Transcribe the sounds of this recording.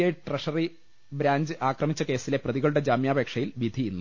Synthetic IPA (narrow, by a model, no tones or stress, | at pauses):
ɐʈreʂɐri | bɾaːɲd͡ʑɨʔaːkrɐmit͡ɕːɐke̞ːsile̞prɐðiɣɐɭuɽe̞d͡ʑaːmjaːbekʂɐjilʋid̪ʱinːu